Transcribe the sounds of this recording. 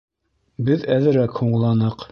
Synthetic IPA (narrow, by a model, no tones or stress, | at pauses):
bɘðæðɘ̆ɾækhuɴlˠɑnɤq